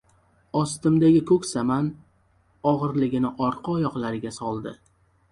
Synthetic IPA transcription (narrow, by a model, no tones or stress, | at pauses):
ɒst̪ɪmd̪aɡʲɪkʰɵkʲsaman | ɒʁɨɾlɪɡʲɪnɪʔɒɾqʰɨɒjɒqlˠaɾɪɡʲasɒlˠd̪ɪ